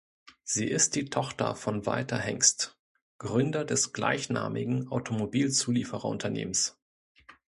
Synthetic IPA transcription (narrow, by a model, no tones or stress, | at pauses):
z̥iːʔɪst̚d̥iːtʰɔχtɐ̰fɔnva̰ɪtʰɐhɛŋst | ɡ̥ʁʏndɐdɛsɡ̥la̰ɪçna̰ːmɪɡŋ̩ʔaʊtʰomobiːlt͡suːliːfəʁɐ̰ʊntʰɐnḛːməns